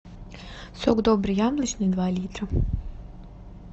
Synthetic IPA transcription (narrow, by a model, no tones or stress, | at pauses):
soɡd̪obɾijamlˠit͡ʃnoid̪ʋaːlʲiːt̪ɾa